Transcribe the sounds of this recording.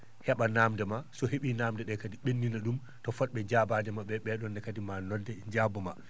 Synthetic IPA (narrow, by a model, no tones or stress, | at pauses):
hɛɓanaːmdɛmasɔɦeɓinaːmdɛɗɛkadiɓenːinaɗum | tɔfɔt̚ɓɛd͡ʒabadɛmaɓɛɓɛɗɔndɛkadimanɔndɛd͡ʒabɔma